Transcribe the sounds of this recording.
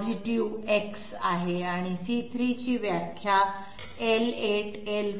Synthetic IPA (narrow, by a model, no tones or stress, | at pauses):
d͡ʑiʈiʋeks | aɦeaɽ̃isit̪ʰɾit͡ɕiːʋjakʰːja | eleʈ | el